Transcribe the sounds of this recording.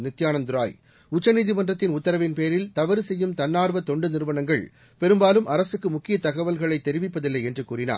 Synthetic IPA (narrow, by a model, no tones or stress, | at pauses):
nɪt̪jaːnɐmd̪ʊɾa̰ːj | ʊt͡ʃːɐniːðɪʋɐndrɐt̪ːɪnʊt̪ːɐɾɐʋɪnpeːɾɪlt̪ɐʋɐɾɯsɛjːɯmt̪ɐnːaːɾʋɐt̪ɔɳɖɯnɪɾɯʋɐnɐŋɡɐɭ | pɛɾɯmbaːlɯmʔɐɾɐsɯkːɯmʊkːɪjɐt̪ɐɣɐʋɐlɣɐɭɐɪt̪ːɛɾɪʋɪpːɐðɪlːɐɪɛndrɯkuːrɪna̰ːɾ